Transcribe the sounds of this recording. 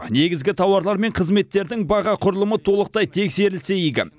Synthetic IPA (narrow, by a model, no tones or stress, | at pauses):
ne̞ɡʲɪzɡʲɪt̪ʰɑwɑɾlˠɑɾme̞ɴqʰəzme̞t̪ːe̞ɾd̪ɪŋbɑʁɑqʰʊɾəlˠəmət̪ʰo̞lˠəq̚t̪ɑjt̪ʰe̞kse̞ɾɪlse̞jiɡʲɪ̰